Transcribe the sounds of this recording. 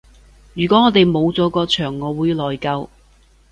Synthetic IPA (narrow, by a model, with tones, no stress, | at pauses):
jyː˨˩kɔː˨˥ŋɔː˨˧t̪e˨jmo˨˧wt͡sɔː˨˥kɔː˧t͡ʃʰœː˨˩ŋːɔː˨˧wuː˨˧jlɔː˨˩jkɐ˧w